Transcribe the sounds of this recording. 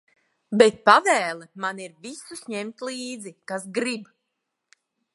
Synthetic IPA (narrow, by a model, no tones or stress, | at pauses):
bet̪̚pavɛːlˠɛmaniɾvisusɲɛmt̪lˠiːd̪zikasɡɾib